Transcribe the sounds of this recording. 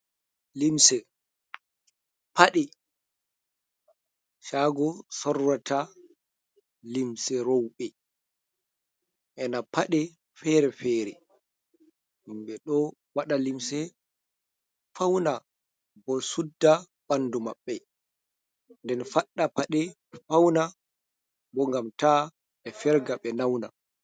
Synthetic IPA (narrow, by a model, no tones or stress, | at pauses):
limsɛ | pʰaɗɛ | ʃaɡɔsɔrːatʰa | limsɛɾowɓɛ | ʔɛnapʰaɗɛ | fɛɾɛfɛːɾɛ | imɓɛɗɔwaɗalimsɛ | fawna | bɔsudːa | ɓanːdumaɓːɛ | ndɛnfaɗːapaɗɛ | fawna | bɔŋɡamta | ɗɛfɛɾɡaɓɛnawna̰